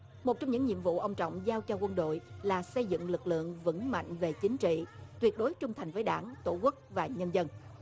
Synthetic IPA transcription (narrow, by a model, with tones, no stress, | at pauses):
mo˨˩t̚t͡ɕɔ˧wŋ͡mɲɨ˧˥ŋɲḭ˧˨mvṵ˧˨ʔə˧wŋ͡mt͡ɕɔ̰˧˨wŋ͡mzaː˧wt͡ɕɔ˧˩kwə˧nɗo̰˧˨jlaː˨˩sə˧jzɨ̰˧˨ŋlɨ˨˩k̚lɨ̰˧˨əŋvə̰˧˥ŋma̰˧˨jŋ̟ve˨˩t͡ɕï˨˦ŋ̟t͡ɕḭ˧˨t̪wi˨˩ət̚ɗo˨˦jt͡ɕʊ˧ŋ͡mt̪ʰa˨˩jŋ̟vəː˨˦jɗaː˧˩nt̪o˧˩ku˦˥k̚vaː˨˩ɲə˧nzə˧n